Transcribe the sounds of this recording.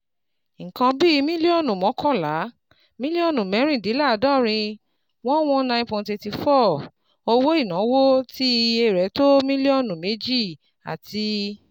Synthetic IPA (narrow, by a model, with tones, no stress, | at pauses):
ŋ̩˨kã˧bi˦˧mĩ˦li˦ɔ˦˨nũ˨mɔ̃˨˦kʰɔ̃˦˨la˨˦ | mĩ˦li˦ɔ˦˨nũ˨mɛ˨˦ɾ̃ĩ˦˨di˨˦la˦˨˦dã˦˨ɾ̃ĩ˧ | w̃ɔ̃˦w̃ɔ̃˧˦nã˧j̃npɔ̃˧˨te˧ti˧fɔ˦˨ | o˧wo˦i˦˨nã˨˦wo˦ti˦˧e˧˨ɾɛ˨˦to˦mĩ˦li˦ɔ˦˨nũ˨me˨˦d͡ʒi˦˨ | a̰˨tʰi˧